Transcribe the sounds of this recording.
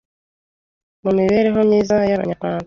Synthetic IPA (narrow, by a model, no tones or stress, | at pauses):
mumiβe̞ːɾeɦo̞mɲiːzajaɾa̰ɲakaːn